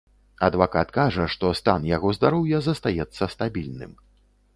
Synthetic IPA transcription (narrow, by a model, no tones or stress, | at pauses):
ɐd̪vakat̪kaʐɐʂt̪ɔst̪a̰njaɣɔzd̪aɾɔwjɐzɐst̪ajɛt̪sːɐst̪abʲilʲnɨ̰m